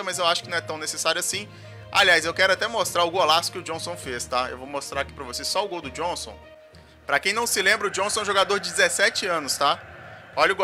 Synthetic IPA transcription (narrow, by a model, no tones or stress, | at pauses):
ɐmɐzewaʃʊkɪnɐ̃ɛt̪ɐ̃w̃nesesaɾjʊasĩ | a̰liajzewkɛɾʊat̪ɛmost̪ɾaɾʊɡolasʊ̥kɪʊd͡ʒõsõw̃fest̪aḛwvowmost̪ɾaɾaki̥pɾɐvosesɔʊɡowd̪ʊd͡ʒõsõ̰w̃ | pɾɐkẽj̃nɐ̃w̃sɪlẽmbɾɐʊd͡ʒõsõʒoɡad̪oɾd͡ʒɪd͡ʒɪzesɛt͡ʃɪɐ̃nʊst̪aɔʎɐʊɡo